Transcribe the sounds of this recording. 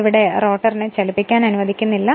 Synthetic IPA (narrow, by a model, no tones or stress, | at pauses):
ʋiɽe̞ro̞ːʈːɐrinet͡ɕɐlipːikʲːaːnɐnuʋɐd̪ʱikʲːunːilːɐ